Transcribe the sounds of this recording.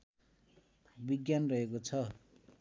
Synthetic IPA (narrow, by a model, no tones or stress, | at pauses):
biɡjanrʌɦekot͡sʰʌ